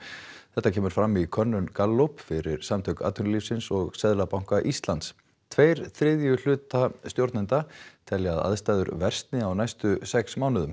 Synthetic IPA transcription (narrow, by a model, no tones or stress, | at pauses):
θɛht̪ːacʰɛːmʏɾ̥fɾamːikʰœnːʏnkalːopfɪɾɪɾ̥samt̪ʰœɥka̰ːt̪ʰʏnlifsɪnsɔɣsɛðlapawŋ̥kaʔist̪lant̪s | t̪ʰvejɾ̥θɾɪðjʏl̥ʏːt̪ast̪jowɾt̪nɪnt̪at̪ʰɛljaða̰ðst̪ajðʏɾvɛr̥st̪nɪawnajst̪ʏsɛksmaːwnʏðʏm